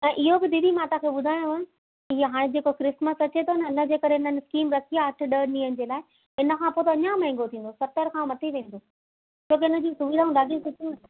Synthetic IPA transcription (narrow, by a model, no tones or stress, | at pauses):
ɛ̃ːʔɪɦobɪd̪iːd̪ʱimaːʈakʰeːɓʊd̪ʱaːɪj̃õʋ̃ʊ | iɦaːɽ̃ed͡ʑeːkokɾɪsməsɐt͡ɕet̪ʰonəɪnə̆d͡ʑeːkɐɾeɪnənɪskiːmɾɐkʰijaɐʈʰʊ̆ɗənĩːɦənɪ̆d͡ʑeːlaːɪ | ɪnəkʰãːpoːt̪ɐɲamɐ̃ɪ̃ŋ̆ɡot̪ʰĩːn̆d̪osɐt̪əɾkʰãmɐt̪ʰiʋẽːn̆d̪oː | t͡ɕʰoːk̬eɪnə̆d͡ʑĩːsʊʋiːd̪aːũɗaːɡisʊtʰũ